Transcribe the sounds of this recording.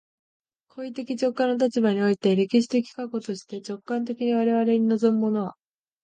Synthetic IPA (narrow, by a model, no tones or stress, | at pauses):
kʰo̞it̪e̞kʲit͡ɕo̞kːãnːot̪̬at͡ɕibaɲ̟io̞it̪e̞ɾe̞kʲiɕi̥t̪e̞kʲi̥kako̞t̪o̞ɕi̥t̪e̞t͡ɕo̞kːãnt̪e̞kʲiɲ̟iβ̞aɾe̞βaɾe̞ɲ̟ino̞zo̞mɯ̟mo̞no̞βa